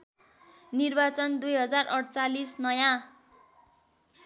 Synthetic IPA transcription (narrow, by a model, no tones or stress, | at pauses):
nirbat͡sʌnd̪ujɦʌd͡zarʔʌɽt͡salisnʌjã